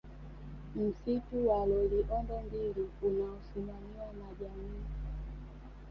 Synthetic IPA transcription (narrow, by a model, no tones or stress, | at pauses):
m̩situwalɔliʔɔndɔmbiliunaɔsimamiwanaʄamiː